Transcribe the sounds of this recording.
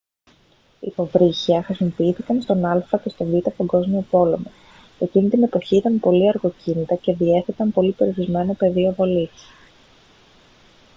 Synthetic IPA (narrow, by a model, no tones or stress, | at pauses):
ḭpo̞vɾiçiɐxɾisimo̞piiθikɐnst̪o̞nɐlfɐce̞st̪o̞vit̪ɐst̪oɡo̞zmio̞po̞le̞mo | e̞cinit̪ine̞po̞çiit̪ɐmpo̞liɐɾɣo̞cinit̪ɐce̞ðie̞θet̪ɐmpo̞lipeɾioɾizme̞nope̞ðiovo̞lis